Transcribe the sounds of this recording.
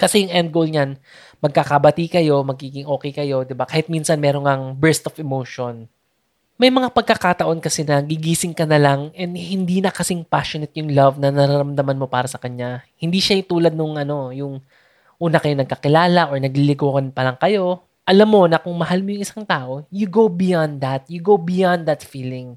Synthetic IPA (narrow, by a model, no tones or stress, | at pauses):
kɐsɛjʊŋʔɛnd̪̚ɡowlɲan | mɐɡ̚kakɐbɐt̪ikɐjo̞mɐɡ̚iːɡɪŋʔo̞ːkɛjkɐjo̞d̪ɪbakaːhɪt̪̚minsɐnmɛːɾoŋɐŋbɛɹst̪ofɛmoːʃon | mɐjmɐŋapɐɡ̚kɐkat̪ɐʔo̞nkɐsɛnɐɡɪɡiːsɪŋkɐnɐlaŋʔɛnd̪hɪnd̪iːnɐkɐsɪŋpaʃonɛt̪jʊŋlɐvnɐnɐɾaɾɐmd̪ɐmanmo̞paːɾɐsɐkɐɲahɪnd̪iːʃaɪt̪uːlɐd̪̚nʊŋʔɐno̞jʊŋ | ʔuːnɐkɐjonɐɡ̚kɐkɪlaːlɐʔoɹnɐɡ̚lilɪɡoːkɐnpɐlɐŋkɐjo̞ | ʔɐlamːo̞nɐkʊŋmɐɦalmojʊŋʔɪsaŋt̪aːʔo̞juɡowbɪjand̪d̪ɐt̪̚jʊɡowbɪjand̪ɐt̪fiːlɪŋ